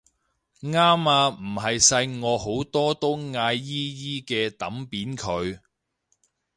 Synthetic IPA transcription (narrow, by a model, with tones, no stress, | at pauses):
ŋaː˥maː˧m̩˨˩ɦɐ˨jsɐ˧jŋɔː˨˧ho˨˥wt̪ɔː˥t̪o˥wŋaː˧jːiː˥jiː˥kɛː˧t̪ɐ˨˥mpiː˨˥nkʰɵ˨˧ɥ